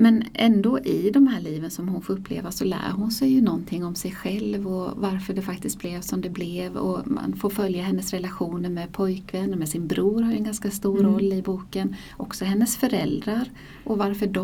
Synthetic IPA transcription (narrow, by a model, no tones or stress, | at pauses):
mɛnʔɛnd̪oːʔɪd̪ɔmhæːɭiːvənsɔmhʊnfoːɾɵpːlḛːvasɔlæ̰ːɾɦʊnsɛjːɵnɔnt̪ʰɪŋːɔmsɛjɧɛlvɔvaɾfœɖɛfak̚t̪ɪst̪̚blɛːvsɔmd̪ɛblɛvɔ̰ma̰nfoːɾfœljahɛnːəsɾɛlaɧuːnəɾmɛpʰɔjkvɛnːəɾmɛsɪnbɾuːɾhaɾjɵɛnɡanskast̪uːɾɔlːɪbuːkən | ʔɔksɔɦɛnːəsfœɾɛld̪ɾaɾ | ʔɔvaɾfœɖɔ